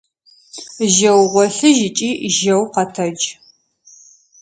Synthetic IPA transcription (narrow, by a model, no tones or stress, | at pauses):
ʒɐwʁʷɔɬɨʒɪt͡ʃʼiːʒɐwqɐtʰɐd͡ʒ